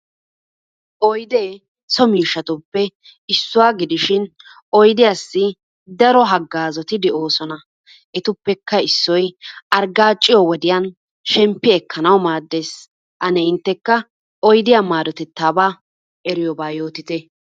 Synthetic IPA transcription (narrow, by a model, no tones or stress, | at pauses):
ʔɔjd̪eː | sɔmiːʃːɐt̪ʊpːɛ | ɪsːʊwaːɡɪd̪ɪʃɪn | ɔjd̪ɪjasːɪ | d̪ɐɾɔɦɐɡːaːzɔt̪ɪd̪ɛʔo̞ːsɔnɐ | ʔɛt̪ʊpːɛkːɐɪsːɔjʔɐɾɡaːt͡ʃʼːɪjɔwɔd̪ɪjan | ʃɛmpːɪɛkʰːɐnɐwmaːd̪ːe̞ːs | ʔɐnɛɪnt̪ːɛkːɐ | ɔjd̪ɪjaːmaːd̪ɔt̪ɛt̪ːaːbaː | ʔɛɾɪjɔbaːjo̞ːt̪ɪt̪ɛ